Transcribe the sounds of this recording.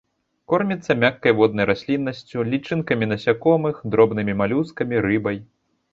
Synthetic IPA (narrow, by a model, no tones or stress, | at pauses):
kɔrmʲit̪sːɐmʲakːɐjvɔd̪̚nɐjɾasʲlʲinːɐsʲt͡sʲulʲit͡ʂɨnkɐmʲinɐsʲakɔmɨxd̪ɾɔbnɨmʲimalʲuskɐmʲiɾɨbɐj